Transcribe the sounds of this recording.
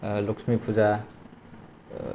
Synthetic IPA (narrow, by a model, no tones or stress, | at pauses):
loksmipʰuza